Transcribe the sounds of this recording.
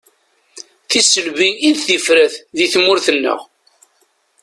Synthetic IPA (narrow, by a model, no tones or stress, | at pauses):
θisəlviinθθifɾæθðiθmʊɾθənːə̰ʁ